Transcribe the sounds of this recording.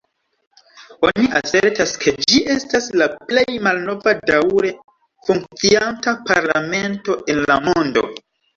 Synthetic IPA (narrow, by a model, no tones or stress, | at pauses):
o̞niʔaseɾtaskʰe̞d͡ʒiʔe̞staslaple̞jmalno̞vadawɾe̞ | fuŋk̚t͡siantapaɾlame̞nto̞ʔe̞nlamo̞ndo̞̰